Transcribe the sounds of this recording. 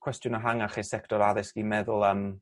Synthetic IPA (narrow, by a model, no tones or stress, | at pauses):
kʰw̥ɛstjʊnɔɦaŋaχisɛktɔɾaðɪsɡ̥imɛðʊlˠəm